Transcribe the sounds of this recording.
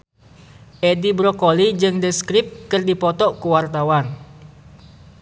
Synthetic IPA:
ʔedibɾɔkolid͡ʒɨŋdəskɾɪp̚kɨrdipɔt̪ɔʔkuwart̪awan

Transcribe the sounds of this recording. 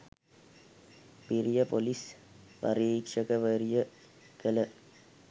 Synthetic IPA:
piɾijɐpolis | ʋɐ̰ɾiːkʂɐkɐʋɐɾijə | kɐlɐ

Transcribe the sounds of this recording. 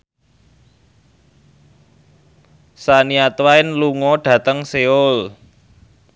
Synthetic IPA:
saniat̪waɪnluŋɔɖ̥ä̤t̪əŋseʊl

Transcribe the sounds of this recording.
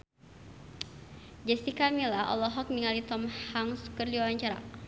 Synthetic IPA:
d͡ʒɛst̪ikamilaɔ̰lɔɦɔk̚niŋalit̪ɔmhaŋsu̥kərliwawaɲt͡ʃaɾa̰

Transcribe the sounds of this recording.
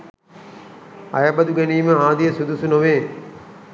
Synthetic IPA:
ɐ̰jabɐd̪uɡɛniːməaːd̪ijəsud̪usunoʋeː

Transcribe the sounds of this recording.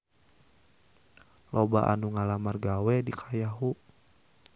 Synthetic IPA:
lʔɔba̰ʔa̰nuŋalamarɡawɛdikʰajaɦu

